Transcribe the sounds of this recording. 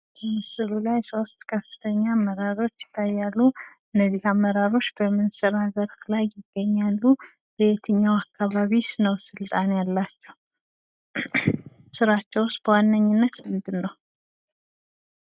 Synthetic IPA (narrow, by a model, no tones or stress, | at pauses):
bəmɨsɨɾulajso̞st̪ʼkʰəfːɨ̥t̪ʰəɲːamːəɾaɾo̞t͡ʃːɪ̥t̪ʰːajːalːu | ɨnːəzihamːəɾaɾo̞t͡ʃːbəmɨnsɨɾazəɾflajːɪɡ̥ːəɲːalːu | bɨt̪ʰɨɲːawakʰːaβaβisnəwsɨlt̪ʼanjalːat͡ʃːɛw | sɨɾat͡ʃːɛwʊst̪̚b̥əwanːəɲːɪnːət̪mɨnd̪ɨnːəw